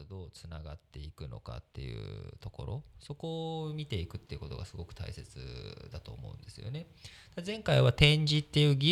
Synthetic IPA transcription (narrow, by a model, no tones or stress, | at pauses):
d̪o̞ːt͡sɨnaɡa̰t̪ːe̞ikɯ̟no̞̰ka̰t̪ːe̞̰jɯ̟̰ːt̪o̞ko̞ɾo̞̰so̞ko̞ːmʲit̪e̞ikɯ̟t̪ːeiɯ̟ko̞t̪o̞ɡa̰sɨɡo̞kɯ̟̥t̪a̰ise̞t͡sɨ̰d̪at̪o̞ːmo̞̰ɯ̟̃nd̪e̞sɨjo̞̰ne̞ | d̪̥azẽ̞ŋkaiβat̪ẽ̞ɲ̟d͡ʑit̪ːe̞jɯ̟ːɡʲi